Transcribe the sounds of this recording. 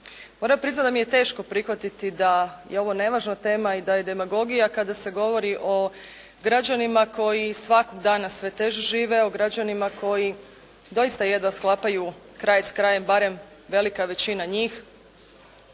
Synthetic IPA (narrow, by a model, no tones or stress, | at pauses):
mo̞ɾapɾiznat̪d̪amije̞t̪e̞ːʃko̞pɾixʋat̪it̪id̪ajeo̞ʋo̞ne̞ʋaːʒnat̪e̞ːmaid̪aje̞d̪e̞maɡo̞ɡijakad̪ase̞ɡo̞ʋo̞ɾiʔo̞ | ɡɾad͡ʑanimako̞jisʋako̞ɡd̪aːnasʋe̞t̪e̞ʒeʒiːʋe̞o̞ɡɾad͡ʑanimakʰo̞ji | d̪o̞jist̪ajed̪ʋasklˠaːpaju | kɾajeskɾaje̞mbaɾe̞m | ʋe̞likaʋe̞t͡ɕinaɲiːx